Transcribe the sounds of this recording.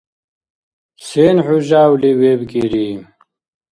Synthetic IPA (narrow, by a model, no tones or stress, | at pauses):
seːnħuʑaːwliweːbɡiɾi